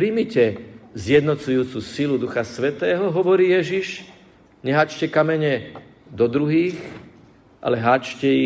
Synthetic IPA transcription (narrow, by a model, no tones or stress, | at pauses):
pɾimicɛzjɛd̪nɔt͡sujuːt͡susilud̪uxasʋɛt̪ɛːɦɔɦɔʋɔɾiːjɛʒiʃ | ɲɛɦaːt͡ʃcɛkamɛɲɛ | d̪ɔd̪ɾuɦiːx | ʔa̰lɛɦaːt͡ʃcɛji